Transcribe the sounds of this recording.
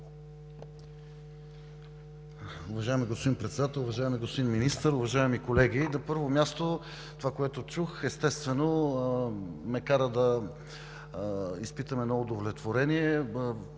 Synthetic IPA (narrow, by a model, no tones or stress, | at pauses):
ʊvɐʒaɛmiɡospod̪inpɾɛt̪sɛd̪at̪əlˠʊvɐʒaɛmiɡospod̪inminist̪əɾʊvɐʒaɛmikolɛɡʲinɐpɤɾvomjast̪o | t̪ovakoɛt̪ot͡ʃuxɛst̪ɛst̪vɛno | mɛkaɾəd̪ɐ | ispit̪əmɛnɔod̪ovlɛt̪voɾɛniɛ